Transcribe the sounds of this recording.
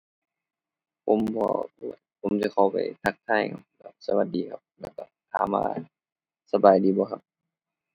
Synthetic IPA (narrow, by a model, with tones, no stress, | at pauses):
pʰo˧˦mbɔ̰ː˧a̰˧˩pʰo˨˦msa˧˦kʰa˧˩wpa̰˨˩jt̪ʰa˧˩k̚t̪ʰaː˧˩jkʰa˧p̚lɛ˧˩sa˧wa˧˦t̪̚diː˨kʰa˧˦p̚lɛː˧˩ka̰˧˩t̪ʰa̰ː˨˧˦mːa̰ː˧ | sa˧baː˨˩jdiː˨˦bɔː˧kʰa˧p̚